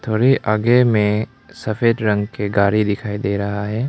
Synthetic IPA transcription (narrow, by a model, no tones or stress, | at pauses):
t̪ʰoːɽiʔaːɡemẽ | sɐfʰeːʈ̪ɾɐ̃ŋɡkeɡaːɾid̪ɪkʰaːid̪eːɾɐɦaɦɛː